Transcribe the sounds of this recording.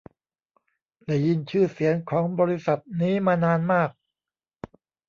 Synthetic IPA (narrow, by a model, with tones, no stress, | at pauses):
lɛː˨˩ji˧nt͡ɕʰɯː˥˩si˩˦ənkʰɔː˩˦ŋbɔː˧ɾi˦˥sa˨˩t̪̚niː˦˥maː˧naː˧nmaː˥˩k̚